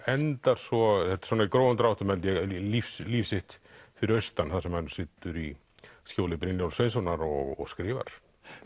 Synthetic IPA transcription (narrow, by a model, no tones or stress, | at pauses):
ɛnt̪aɾ̥sɔθɛt̪sɔːnaikɾoːwðʏnt̪ɾawht̪ʏmɛlɪjɛlifsliːfsɪht̪fɪɾɪɾœɥst̪anθasɛmhansɪt̪ʏɾi | scoːwlɪpɾɪnjawlsejns̬ɔnaɾɔɣɔ̰ɣskɾɪːva̰ɾ̥